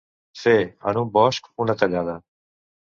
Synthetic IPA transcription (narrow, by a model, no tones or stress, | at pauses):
seːa̰ːnũːbɔːʃkpũːnəkəd͡ʒãːd̪aː